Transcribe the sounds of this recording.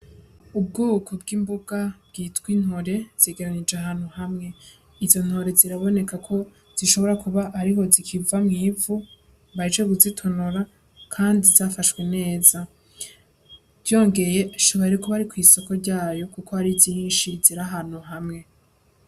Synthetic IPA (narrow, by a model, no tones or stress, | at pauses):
ub̚ɡuːkʰob̚ɡimbuɡabɡ̥iːtwin̥ho̞ɾe̞z̥e̞ɡe̞ɾanid͡ʒeaɦaːn̥huhamŋe̞ | izo̞n̥ho̞ɾe̞ziɾaβo̞ne̞kakʰo̞ | z̥iʃo̞βo̞ɾakuβaʔːɾiho̞zikʰivamŋiːvu | βad͡ʒeβuzitʰo̞noɾa | kʰaːndizaːfaʃwene̞ːza | vjo̞ːŋɡe̞je̞ʃoβaɾikoβaɾikwiːso̞ko̞ɾɟaːjo̞kuko̞aɾizzinʃiziɾaɦan̥uɦamŋe̞